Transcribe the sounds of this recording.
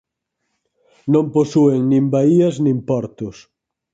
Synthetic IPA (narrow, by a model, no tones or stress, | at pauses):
nõmposueŋnĩmbaiɐznĩmpɔɾt̪ʊs